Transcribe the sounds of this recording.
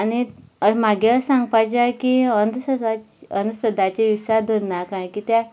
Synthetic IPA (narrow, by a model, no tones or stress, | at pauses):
aniəm̤aɡjasãŋɡ̚pajt͡ɕakiənd̪sə | ənsəd̪ʱat͡ɕeʋisad̪ʱəɾnakãkit̪ja